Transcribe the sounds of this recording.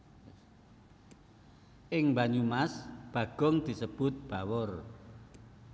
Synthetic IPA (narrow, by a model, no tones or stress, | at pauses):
ʔɪŋmbaɲumasb̥ä̤ɡ̥ɔ̤ŋd̪̥i̤səb̥ʊt̪̚b̥a̤wɔr